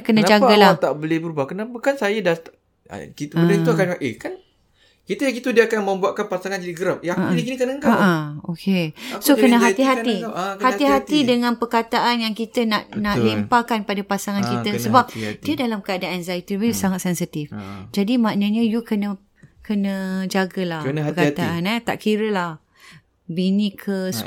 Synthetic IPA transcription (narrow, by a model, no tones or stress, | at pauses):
kənãd͡ʒaɡalat̪aʔbolɪbəɾubakənabukansajadat̪a̰ | kit̪uuakanaʔehkan | kit̪əjakit̪udiəakanmə̃mbuaʔ̚kanpasaŋand͡ʒadiɡəɾap̚eaaudikinik̪anəŋɡaaaokʰesoənə̃ɦat̪iɦaihaiɦat̪idəŋãnpərkat̪aʔanjaŋkit̪ənaʔnaʔlempakanpadapasaŋankit̪əsəbap̚diədalamkəadanɛnzait̪ibisaŋat̪̚sɛnsit̪ifd͡ʒadimãʔnəɲə̃jukənə̃ | kənə̃d͡ʒaɡəlakənərkat̪aanat̪a̰ʔkiɾəlah | binĩkʰəs